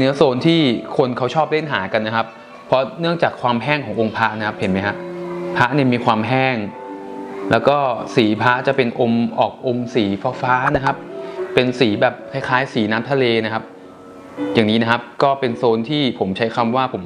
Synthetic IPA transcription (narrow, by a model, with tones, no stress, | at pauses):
nɯ˦˥ɐsoː˧nt̪ʰiː˥˩kʰo˧nkʰa˦˥wt͡ɕʰɔː˥˩p̚le˥˩nɦaː˩˦ka˧nːa˦˥kʰa˦˥p̚ | pʰːɔ˦˥nɯ˥˩əŋt͡ɕaː˨˩kʰwaː˧mɦɛː˥˩ŋkʰɔː˩˦ŋʔo˧ŋpʰa˦˥ʔna˦kʰa˦˥p̚he˩˦nma˦˥jkʰa˦˥ʔpʰa˦˥ʔni˥˩miː˧kʰwaː˧mɦɛː˥˩ŋ | lɛː˦˥wkɔː˥˩siː˩˦pʰa˦˥t͡ɕa˨˩pe˧nʔo˧mʔɔː˨˩k̚ʔo˧msiː˩˦faː˧faː˦˥na˦˥kʰa˦˥p̚ːe˧nsiː˩˦bɛː˨˩p̚kʰa˧˥˩jkʰaː˦˥jsiː˩˦naː˦˥mt̪ʰa˧leː˧na˦˥kʰa˦˥p̚ | jaː˨˩ŋniː˦˥na˦˥kʰa˦˥p̚kɔː˥˩pe˧nsoː˧nt̪ʰiː˥˩pʰo˩˦mt͡ɕʰa˦˥jkʰa˧mwaː˥˩pʰo˩˦